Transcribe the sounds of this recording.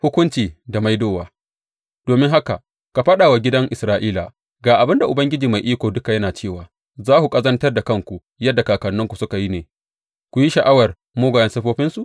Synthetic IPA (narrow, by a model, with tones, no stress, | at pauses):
hʊ˦kʷʊ˦nt͡ʃiː˨da˨ma˦jdoː˦waː˨ | d̥oː˨mɪ˦ŋɦa˦ka˨ | ka˨ɸɐ˦ɗaː˨wa˨ɡʲɪ˦dɐ˦ŋʔɪ˨sɾaː˦ʔiː˦la̰˨ | ɡaː˨ʔa˨bɪ˦nda˨ʔʊ˨bɐ˦ŋɡʲɪ˦d͡ʒiː˨ma˨jʔiː˦kʷoː˨dʊ˦ka˨jɐ˦naː˨t͡ʃeː˦˨waː˨ | zaː˦hu˨kʼɐ˦zɐ˦ntɐ˦rda˨kɐ˦˨ŋkʷu˨ | jɐ˦dːa˨kaː˨kɐ˨nːʊ˦ŋkʷu˨sʊ˦ka˨ji˦neː˨ | kʷu˨ji˦ʃɐ˨ʔa˦wɐ˨r | moː˦ɡʷa˨jɐ˦nsɐ˦ɸoː˦ɸɪ˦nsu˨ʔ